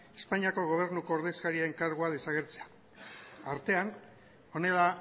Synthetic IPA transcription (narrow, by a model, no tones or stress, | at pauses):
e̞spaɲiako̞ɣ̞o̞β̞e̞ɾnuko̞ːɾðe̞skaɾiaeŋkaɾɣuaðe̞saɣ̞e̞ɾt͡se̞a | aɾt̪e̞an | o̞ne̞ða